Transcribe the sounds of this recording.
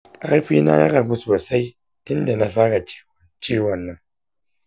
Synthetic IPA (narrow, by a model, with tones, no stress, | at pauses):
ʔa˦ɾɸiː˦na̰˦ja̰˦ka˨ɡʷu˦soː˨sa˦j | tʊ˦nda˨na˦ɸa˦ɽa˨t͡ʃi̥˦wɔ˨nt͡ʃiː˦wɐ˨nːɐ˦ŋ